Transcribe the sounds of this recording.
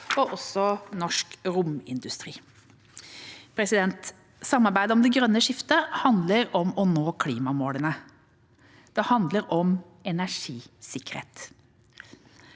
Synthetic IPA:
ɔʔɔsɔnɔʂkɾʊmɪnd̪ʉst̪ɾḭː | pʰɾɛsɪd̪ɛnt̪ | sɑmːɑɾbæɪd̪əɔmd̪ɛɡɾœnːəʂɪft̪əhɑnd̪ləɾɔmɔnoːkʰliːmɑmoːlənə | d̪̥ɛhɑnd̪ləɾɔm | ɛnæʂiːsɪkə̥ɾhḛːt̪

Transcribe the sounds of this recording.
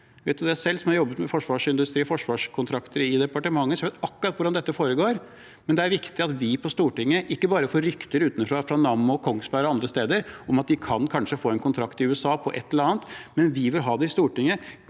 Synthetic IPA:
ʋeɛɪt̪̚d̪ʉd̪ɛæsɛlːsɔmhɑɾjɔbːət̪mɛfɔʂʋɑːʂɪnd̪ʉst̪ɾiːfɔʂʋɑːʂkʰʊnt̪ʰɾɑkt̪ʰəɾɪd̪ɛpɑʈəmɑŋːəsɔjʋeɪt̪ɑkːʊɾɑt̪ːʋʊɖɑnd̪ɛt̪ːəfoːɾəɡoːɾ | mɛnd̪ɛæɾʋɪkt̪ɪɑt̪ʋɪpʰɔst̪uːʈɪŋːəʔɪkːəbɑːɾəfoːɾʏkt̪əɾʉːt̪nəfɾɑfɾɑnɑmːɔkʰɔŋːsbæɾɔɑnd̪ɾəst̪eːd̪əɾʔɔmɑt̪̚d̪ɪkʰɑnkʰɑnʂəfoːɛnkʰʊnt̪ʰɾɑkt̪ɪʉːɛsɑːpʰɔʔɛ̰t̪ːləɾɑːnt̪mɛnʋɪʋɪlɦɑːd̪ɛɪst̪uːʈɪŋːə

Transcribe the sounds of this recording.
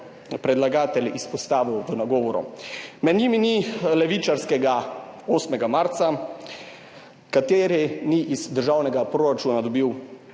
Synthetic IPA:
pɾɛd̪laɡaːt̪ɛlispɔst̪aːʋiwʋənaɡɔːʋɔɾṵmɛd̪ɲiminilɛʋit͡ʃaɾskɛɡaoːsmɛɡamaɾt̪sa | kat̪eːɾiniʔizd̪əɾʒaːwnɛɡapɾoɾat͡ʃuːnad̪ɔbiw

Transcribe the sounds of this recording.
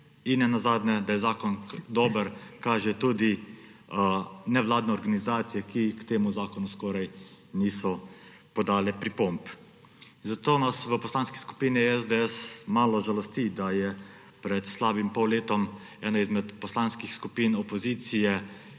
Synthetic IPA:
inːɛnazaːd̪nɛd̪ajɛzaːkɔnd̪ɔːbəɾkaːʒɛt̪uːd̪i | nɛʋlaːd̪nɛɔɾɡanizaːt̪sijɛkikt̪eːmuzaːkɔnuskɔːɾajniːsɔ | pɔd̪aːlɛpɾipomp | zat̪oːnasʋəpɔslaːnski̥sku̥piːniɛzd̪ɛɛsmaːlɔʒalɔst̪id̪ajɛ | pɾɛt̪slaːbimpɔwleːt̪ɔm | ɛːnaizmɛt̪pɔslanskixskupiːnɔpɔziːt̪sijɛ

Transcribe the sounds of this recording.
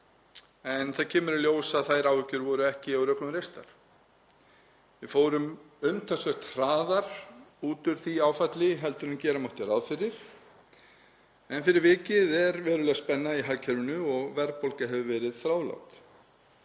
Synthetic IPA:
ɛnθaðcʰɛːmʏɾɪljoːwsaðθajɾawvɪcːʏɾvɔːɾʏɛhcɪawɾœːkʏmɾejst̪a̰ɾ̥ | vɪfoːwɾʏm | ʏmt̪ʰasvœht̪r̥aːðaɾ̥uːt̪ʏɾ̥θiaːwfat̪lɪɦɛlt̪ʏnʏmcɛːɾamɔht̪ɪɾaðfɪɾɪɾ̥ | ɛnfɪɾɪɾvɪːcɪðɛɾvɛːɾʏlɛspɛnːaiɦaːcʰɛɾvɪnʏɔɣvɛɾpolkaɦɛvʏvɛːɾɪð̥θɾaːwla̰wt̪

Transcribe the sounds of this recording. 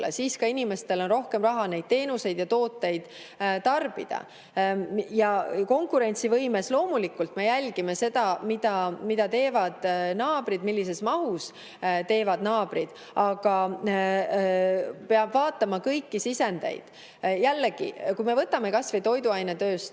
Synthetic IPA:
lḛsiːskɑinime̞st̪e̞lo̞nro̞hke̞mrɑɦɑne̞jd̥̪̚t̪e̞ːnuse̞jd̪̥jɑt̪o̞ːt̪ːˑe̞jd̪̥ | t̪ːɑrb̥ḭd̪̥ɑ̰ | jɑko̞ŋkuɾe̞nʲt̪sivɤjme̞slo̞ːmulikːˑult̪me̞jælʲɡ̥ime̞se̞d̪ɑmid̪ɑmid̪̥ɑt̪e̞ːvɑd̪̥nɑːbɾid̪milːise̞smɑɦus | t̪e̞ːvɑd̪̥nɑːb̥ɾid̪̥ | ʔɑɡ̥ɑ | pe̞ɑb̥vɑːt̪ːˑɑmɑkɤjkːisise̞nd̪̥e̞̰jd̪̥ | jælːeɡ̥ḭkujme̞vɤt̪ːˑɑmekɑsvejt̪o̞jd̪uɑjnet̪ø̞ːst̪

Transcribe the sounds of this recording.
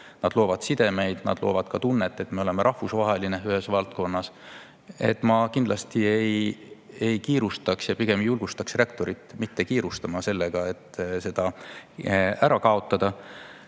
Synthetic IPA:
nɑd̪̥lo̞ːvɑd̪̥sid̪̥e̞me̞jd̪̥nɑ̰d̪lo̞̰ːvɑd̪̥kɑt̪unːet̪ːˑe̞t̪ːme̞o̞le̞meɾʔɑhvusvɑɦe̞lineyhe̞svɑlt̪̚ko̞nːɑs | e̞t̪ːˑmɑkind̪lɑst̪iej | e̞jkiːɾust̪ɑksjɑpiɡ̥e̞mjulɡ̥ust̪ɑksre̞kt̪o̞ɾit̪ːˑmit̪ːekiːɾust̪ɑmɑse̞lːeɡ̥ɑe̞t̪ːse̞d̪̥ɑ | æɾɑkɑo̞t̪ːˑɑd̪̥ɑ

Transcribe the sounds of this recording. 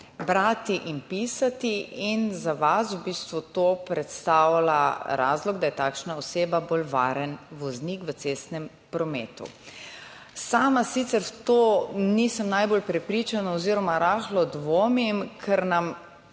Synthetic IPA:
bɾaːt̪iʔimpiːsat̪iinzaʋaswbiːst̪ʋut̪oːpɾɛt̪st̪aːwalaɾa̰ːzlɔɡd̪ajɛt̪aːkʃnaoseːbaboːlʋa̰ːɾɛnʋɔznikʋət̪seːst̪nɛm | pɾɔmḛːt̪ṵ | saːmasit̪sɛɾt̪oːnisəmnajbolpɾɛpɾiːt͡ʃanaɔziːɾɔmaɾaːxlɔd̪ʋoːmimkʰɛɾnam

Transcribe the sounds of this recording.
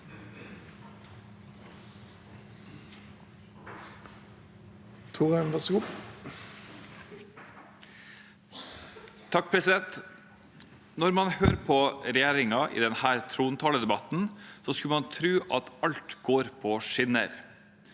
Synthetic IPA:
t̪ʰuːʁɛnʋɑsɡu | t̪ʰɑk̚ːpʰɾɛsɪd̪ɛnt̪ | nɔɾmɑnhøːɾpʰɔɾɛjeːɾɪŋɑʔḭːd̪ɛnhæːɾt̪ʰɾuːnt̪ʰɑːləd̪ɛbɑt̪n̩sɔskʉlmɑnt̪ʰɾʉːʔɑ̰t̪ɑlt̪ɡ̥oːɾpʰɔʂɪnə̰ɾ

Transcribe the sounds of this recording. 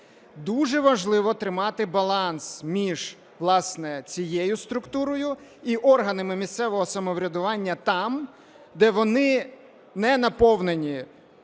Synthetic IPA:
d̪uʒɛʋɐʒlˠɪʋɔt̪ɾɪmɑt̪ɪbɐlˠɑnsmʲiʒ̥ | ʋlˠɑsnɛt͡sʲijɛjʊst̪ɾʊkt̪uɾɔjʊiʔɔrɦɐnɪmɪmʲist̪sɛʋɔɦɔsɐmɔʋɾʲɐd̪ʊʋɑnʲːɐt̪ɑm | d̪ɛʋɔnɪ | nɛnɐpɔwnenʲi

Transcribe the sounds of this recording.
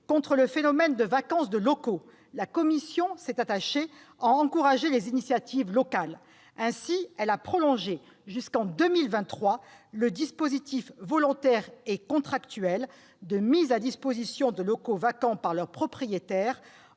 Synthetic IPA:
kɔ̃t̪χələfenɔmɛnd̪əvakɑ̃sd̪əlɔko | lakɔmisjɔ̃sɛt̪at̪aʃe | ãɑ̃kuʁaʒelezinisjat̪ivlɔkal | ɛ̃siɛlapχɔlɔ̃ʒe | ʒyskɑ̃d̪əmilvɛ̃t̪ːχwaləd̪ispozit̪ifvɔlɔ̃t̪ɛʁekɔ̃t̪χakt̪yɛl | d̪əmizad̪ispozisjɔ̃d̪əlɔkovakɑ̃paʁlœʁpχɔpχijet̪ɛʁ

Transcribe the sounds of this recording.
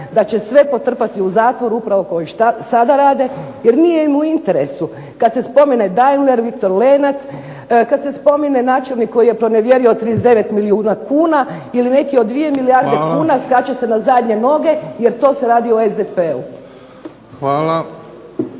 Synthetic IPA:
d̪at͡ɕe̞sʋe̞po̞t̪r̩pat̪iuzaːt̪ʋo̞ɾuupɾaʋo̞ko̞jiʃasad̪aɾaːd̪e̞je̞ɾnijemuint̪e̞ɾe̞su | kad̪se̞spo̞mined̪ajnleɾʋikt̪o̞ɾleːnat̪s | kad̪se̞spo̞minenaːt͡ʃe̞lˠnikːo̞jije̞pɾo̞neʋje̞ɾiot̪ɾizd̪e̞ʋe̞t̪miliuːnakuːna | iline̞kiod̪ʋije̞milijaɾd̪ekuːnaskat͡ʃase̞nazad̪ɲe̞no̞ɡe̞je̞ɾt̪o̞ːseɾaːd̪ioezd̪epeu | xʋaːla

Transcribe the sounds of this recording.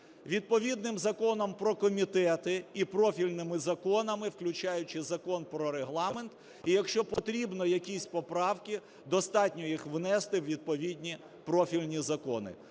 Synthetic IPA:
ʋʲid̪̚pɔʋʲid̪nɪmzɐkɔnɔmpɾɔkɔmʲit̪ɛt̪ɪipɾɔfʲilʲnɪmɪzɐkɔnɐmɪwklʲʊt͡ʃɑjʊt͡ʃɪzɐkɔnpɾɔɾeɦlˠɑment̪ | ijɐkʃt͡ʃɔpɔt̪ɾʲibnɔjɐkʲisʲpɔpɾɑwkʲi | d̪ɔst̪ɑt̪ʲnʲɔjixʋnɛst̪ɪwʋʲid̪̚pɔʋʲid̪ʲnʲi | pɾɔfʲilʲnʲizɐkɔnɪ̰

